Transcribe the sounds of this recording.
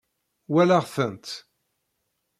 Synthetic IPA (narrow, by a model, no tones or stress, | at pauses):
wælaʁθənt̪